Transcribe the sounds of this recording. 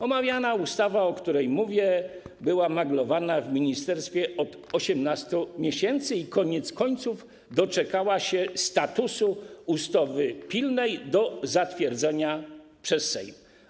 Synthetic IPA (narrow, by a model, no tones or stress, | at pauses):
ɔmavʲjanaust̪avaɔkt̪uɾɛjmuvʲjɛbɘwamaɡlɔvanavmʲiɲist̪ɛɾst̪fʲjɛɔd̪̥ | ɔɕɛmnast̪umʲjɛɕɛnt̪sɘikɔɲɛt̪skɔɲt̪suv | d̪ɔt͡ʂɛkawaɕɛst̪at̪usuust̪ɔvɘpʲilnɛjd̪ɔzat̪fʲjɛɾd̪zɛɲapʂɛsːɛ̰jm